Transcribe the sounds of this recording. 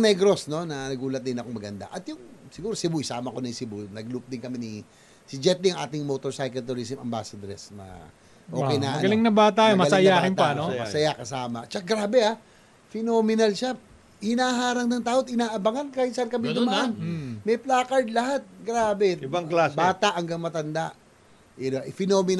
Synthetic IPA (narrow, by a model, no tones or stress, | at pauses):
nɛɡɾo̞sno̞nɐnɐɡuːlɐt̪̚d̪ɪnɐkoŋmɐɡɐnd̪a̰ʔɐt̪jʊŋsɪɡuːɾosɪbujsa̰ːmɐkonɐjsɪbunɐɡlup̚d̪ɪŋkɐmɛni | sɪd͡ʒɛt̪liɐŋʔa̰ːt̪ɪŋmot̪oɹsajkɐlt̪ʊɾis̬ɪmɐ̰mba̰ːsɐd̪ɾɛsmɐ̰ | ʔo̞ːkɛjna̰ɡɐlɪŋnɐbat̪aomɐɐlsɐjaːhɪnpɐnomɐsɐjakɐsaːmɐ̰t͡ʃɐkaɡɾaːbɛa | fɪnomɪnɐlʃa | hɪnaːɦaːɾɐŋnɐŋt̪aːʔot̪ɪnaːʔɐbɐŋankaːhɪt̪sɐʔankɐmɪd̪ʊmɐʔanmɛjplaːkɐɹd̪̚lɐɦat̪̚ɡɾaːbɛbaŋklasbaːt̪aʔɐŋɡaŋmɐt̪ɐnd̪aʔ | ɛnaʔfɪnoːmɪn